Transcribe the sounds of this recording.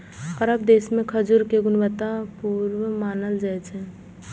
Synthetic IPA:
ɔɾəbd̪eːsmẽkʰəd͡ʒʊɾkeɡʊnʋət̪apuɾwəmaːnəld͡ʒaɛt͡ʃɛ̃

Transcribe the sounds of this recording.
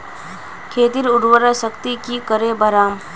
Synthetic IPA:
kʰeːt̪iɾʊɽwəɾasəkt̪ikikəɾebəɾaːm

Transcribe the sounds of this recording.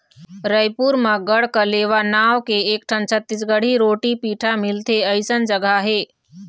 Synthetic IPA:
ɾəjpuɾmə̃ɡəɽkəleːʋanaːʋkeeːk̚ʈʰə̃nt͡ʃʰət̪ːɪs̬ɡəɽ̤iɾoːʈipiːʈʰamɪlt̪eəɪsənd͡ʒəɡaɦeː

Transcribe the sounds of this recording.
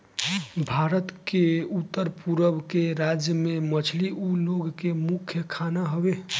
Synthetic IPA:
bʱaɾət̪keut̪ːəɾpuɾəbkeɾad͡ʒjəmemət͡ʃʰliuloɡkemukʰːjəkʰanaɦəbe

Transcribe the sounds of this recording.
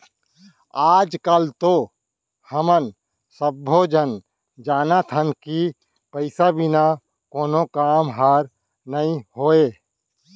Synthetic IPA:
aːd͡ʒkalt̪o | həmən | səbːod͡ʒən | d͡ʒaːnat̪ʰənki | pəɪsabina | koːnokaːmɦaːɾ | nəĩhoːe

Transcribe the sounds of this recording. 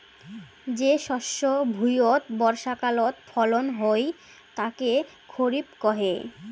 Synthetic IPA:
d͡ʑeʃɔʃːobʱujot̪bɔɾʃakalot̪fʰɔlonɦoj | t̪ake | kʰoɾibkɔɦe

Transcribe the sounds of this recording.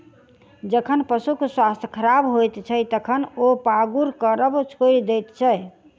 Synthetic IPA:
d͡ʒəkʰənpəsukswast̪ʰjkʰəɾabɦojt̪t͡ʃʰəjt̪əkʰənopaɡuɾkəɾəbt͡ʃʰojld̪ɛt̪t͡ʃʰəj

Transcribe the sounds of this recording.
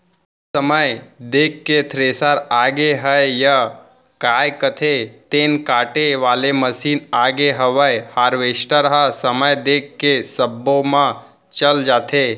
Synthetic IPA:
səməjd̪ekːet̪ʰɾeːsaɾaːɡeɦəjja | kaːjkət̪ʰet̪eːnkaːʈeʋaːleməsiːnaːɡeɦəʋəjhaɾʋeːsʈəɾɦasəməjd̪ekːesəbːomã | t͡ʃəld͡ʒaːt̪ʰe

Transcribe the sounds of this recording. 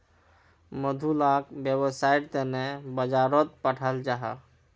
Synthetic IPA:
məd̪ʱulakbjebəsajt̪enebəd͡ʒaɾɔt̪̚pəʈʰəld͡ʒaɦa̰

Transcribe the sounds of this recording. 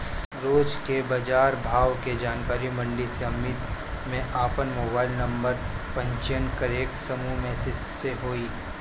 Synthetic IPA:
ɾoːd͡ʒkebɐd͡ʒaːɾbʱaːʋked͡ʒaːnkaːɾimɐ̃ɳɖiseɐmɪt̪mẽʔaːpənmoːbaːɪlnɐ̃mbəɾpɐ̃ɲt͡ʃənkəɾeːksɐmumẽsɪseɦoːiː

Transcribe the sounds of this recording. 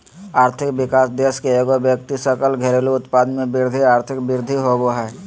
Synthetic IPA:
aːɾt̪ʰɪkʋɪkaːsd̪eːskeeːɡobjək̚t̪isəkəlɡʱeɾeloʊt̪paːd̪mẽbɪɾd̪ʱiaːɾt̪ʰɪkbɪɾd̪ʱiɦoboɦɛː

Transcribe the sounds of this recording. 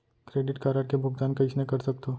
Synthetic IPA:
kɾeːɖɪʈkaːɾaːɾkebʱʊɡd̪aːnkɐɪt͡ʃʰnekɐɾsɐk̚t̪oː

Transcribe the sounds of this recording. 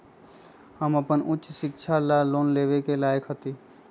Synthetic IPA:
həməpənʊtːʃʃɪkʃʰalaloːnleːʋekelaːjəkɦət̪iː

